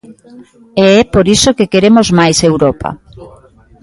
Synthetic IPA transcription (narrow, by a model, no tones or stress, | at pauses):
eɛpoɾisokekeɾemozmajsewɾɔpa̰